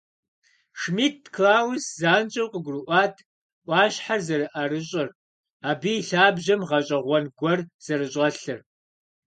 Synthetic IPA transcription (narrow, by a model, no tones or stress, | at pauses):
ʂmiːt̚ʰkʰlaːwszaːnt͡ʃʼɐwqəɡʷrɨʔʷɑːtʰ | ʔʷɑːɕħarzɐɾɨʔaɾɨɕʼɐr | aːbiɬaːbʑɐmʁɐɕʼɐʁʷɔnɡʷɔrz̥ɐɾɨɕʼɐɬɨr